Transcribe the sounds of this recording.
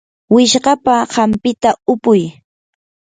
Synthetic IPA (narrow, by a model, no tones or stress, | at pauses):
wɪʃɢɑpaɢampɪt̪aʊpʊj